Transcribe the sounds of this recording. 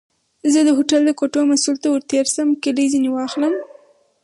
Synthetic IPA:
zəd̪əɦoʈald̪əkoʈomasult̪awəɾt̪eɾsəmkəlizinewɑxləm

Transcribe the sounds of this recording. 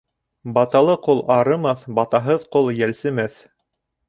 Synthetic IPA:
bɑt̪ɑlˠɤqolˠɑɾɤ̆mɑθbɑt̪ɑɦɤðqolˠjælsɘ̆mæθ

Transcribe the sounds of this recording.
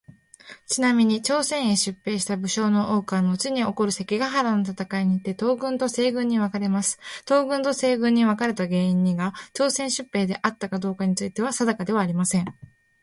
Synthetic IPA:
t͡ɕinamʲiɲ̟it͡ɕo̞ːsẽ̞ɰ̃eɕɨpːe̞ːɕi̥t̪abɯ̟ɕo̞ːno̞ʔo̞ːkano̞ɯ̟t͡ɕiɲ̟io̞ko̞ɾɯ̟se̞kʲiɡaɦaɾanot̪at̪akaiɲ̟iːt̪ːe̞t̪o̞ːɡɯ̟̃nt̪o̞se̞ːɡɯ̟̃ɲ̟ːiβakaɾe̞masɨ̥t̪o̞ːɡɯ̟̃nt̪o̞se̞ːɡɯ̟̃ɲ̟ːiβakaɾe̞t̪aɡe̞ːĩɲ̟ːiɡat͡ɕo̞ːsẽ̞ɰ̃ɕɨpːe̞ːd̪e̞ʔat̪ːakad̪o̞ːkaɲ̟it͡sɨit̪e̞βasad̪akad̪e̞β̞aːɾʲimasẽ̞ɴ

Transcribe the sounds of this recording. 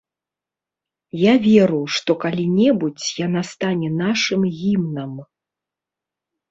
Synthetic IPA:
javʲɛɾuʂt̪ɔkalʲinʲɛbut͡sʲjanast̪anʲɛnaʂɨmɣʲimnɐm

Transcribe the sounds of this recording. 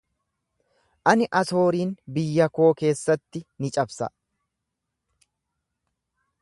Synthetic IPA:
ʔɐnɪʔɐso̞ːɾiːnbɪjːɐko̞ːke̞ːsːɐt̪ːɪnɪt͡ʃʼɐbsɐ̰

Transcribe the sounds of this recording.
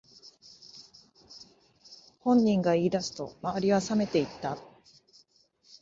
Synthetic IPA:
hõ̞ɲ̟ːĩŋɡaiːd̪asɨ̥t̪o̞̰maβaɾʲiβasame̞t̪e̞it̪ːa

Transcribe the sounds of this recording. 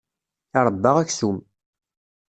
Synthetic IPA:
ɪɾˤd̪ːɑʁækθum

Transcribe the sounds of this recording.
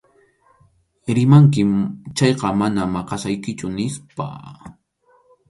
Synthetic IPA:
ɾɪmaŋk̬ɪt͡ʃɑjqɑmanamɑqɑsajkɪt͡ʃʊnɪspa̰

